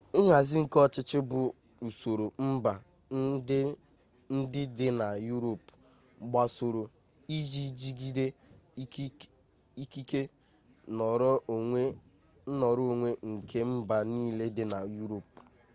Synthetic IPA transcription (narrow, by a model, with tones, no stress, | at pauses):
ɪ˦ɦa˨zɪ˦ŋ̩˨kɔ˦t͡ʃɪ˦t͡ʃɪ˦bʊ˨ | u˨so˨ɾo˨m̩˦ba˨˦ | n̩˦dɪ˦dɪ˦na˨ju˦ɾo˨p | ɡ͡ba˨so˨ɾo˨ | i˦d͡ʒi˦d͡ʒi˦ɡi˦de˦ | i˦ki˦ke˦ | n˨ɾɔ˦˨e˦ | nɔ˨ɾʊ˦o˨ŋʷe˦ŋ̩˨kʰe˦m̩˦ba˨niː˦le˦dɪ˦na˨ju˦ɾo˨p̚